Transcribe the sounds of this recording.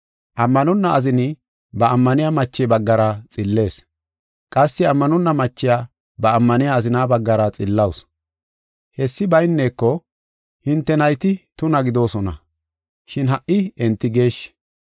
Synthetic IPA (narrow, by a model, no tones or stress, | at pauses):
ʔɐmːɐnɔnːɐɐzɪnɪ | bɐːmːɐnɪjamɐt͡ʃːɛbɐɡːɐɾɐt͡sʼɪlːe̞ːs | kʼɐsːɪɐmːɐnɔnːɐmɐt͡ʃːɪjaː | bɐːmːɐnɪjaːzɪnaːbɐɡːɐɾɐt͡sʼɪlːɐws | hɛsːɪbɐjnːeːkːɔ | hɪnt̪ːɛnɐjt̪ɪt̪ʊnɐɡɪd̪o̞ːsɔnɐ̰ | ʃɪnɦɐʔɪɛnt̪ːɪɡe̞ːʃ